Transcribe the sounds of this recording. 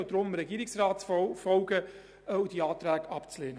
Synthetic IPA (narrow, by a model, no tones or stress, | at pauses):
wd̥̪ɾʊmɾɛɡiːɾɪksrɑːtfɔlɡə | ud̥iɑːt̪ɾæːɡɑpt͡sleːnə